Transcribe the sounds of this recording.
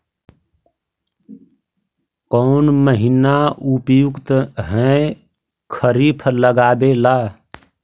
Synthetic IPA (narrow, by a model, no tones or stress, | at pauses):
kɔʊnməɦinaupjʊkt̪ɦɛ̃ | kʰəɾipʰləɡaːbelaː